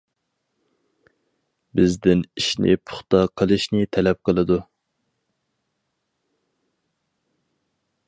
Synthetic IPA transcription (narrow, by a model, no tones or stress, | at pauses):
bɪzd̪ɪniʃnɪ̰pʰʊ̥χt̪ɑqʰəlˠɨʃnɪt̪ʰɛlɛp̚qʰəlˠɨd̪u